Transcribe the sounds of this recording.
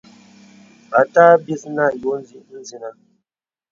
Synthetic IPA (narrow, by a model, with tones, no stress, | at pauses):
ba˨˦taː˦bi˦sna˦˨jo˨˦n˦zi˦n̩˦zi˨na˦